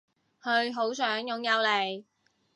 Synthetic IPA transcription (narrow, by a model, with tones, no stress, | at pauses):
hɵ˧ɥɦo˨˥wsœː˨˥ŋjʊ˨˧ŋjɐ˨˧wle˨˩j